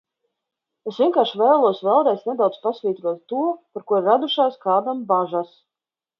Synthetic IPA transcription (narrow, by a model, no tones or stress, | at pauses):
esvʲiɛkaːɾʃvɛjlˠuɔsvɛlˠd̪ɛjsnɛd̪awd̪spasvʲiːt̪ɾuɔt̪ːuɔpaɾkuɔɾɾad̪uʃaːskaːd̪ambaʒas